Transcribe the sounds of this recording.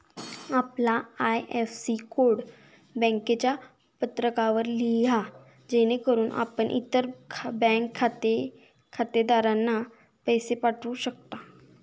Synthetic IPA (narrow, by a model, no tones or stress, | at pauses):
aplaajefsikoɽ | bɛ̃ŋket͡ɕja | pət̪ɾəkaʋəɾlija | d͡ʑenekəɾuːnʔa̰pəɳʔḭt̪əɾʰbɛ̃ŋkʰːat̪e | kʰat̪ed̪aɾanːa | pəjsepaʈʰuːɕək̚t̪a